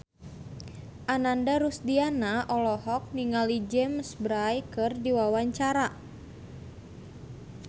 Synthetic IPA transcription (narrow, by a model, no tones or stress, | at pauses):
ʔanandaɾusdianaʔɔlɔɦɔk̚niŋalid͡ʒɛmsbɾajkɨrdiwawaɲt͡ʃaɾa